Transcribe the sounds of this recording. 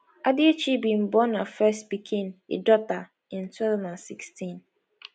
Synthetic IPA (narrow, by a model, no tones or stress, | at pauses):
adiot͡ʃibĩm̩bɔnafɛstbikʰĩnḛdɔta | ĩntwavãnãnsikstĩn